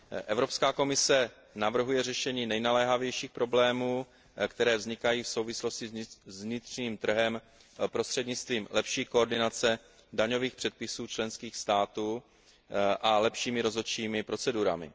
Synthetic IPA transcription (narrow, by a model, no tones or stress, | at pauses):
ʔɛvɾo̞pskaːko̞mɪsɛ | navr̩ɦujɛrɛʃɛɲiːnɛjnalɛːɦavjɛjʃiːxpɾo̞blɛːmuː | kt̪ɛɾɛːvzɲɪkajiːfso̞wvɪslo̞scɪzzvɲɪt̪r̝̥ɲiːmt̪r̩ɦɛm | pɾost̪r̥ɛdɲɪt͡st̪viːmlɛpʃiːkooɾdɪnat͡sɛ | daɲo̞viːxpr̝̥ɛt̪̚pɪsuːt͡ʃlɛnskiːxst̪aːt̪uː | ʔalɛpʃiːmɪɾo̞zot͡ʃiːmɪpɾo̞t͡sɛduɾa̰mɪ̰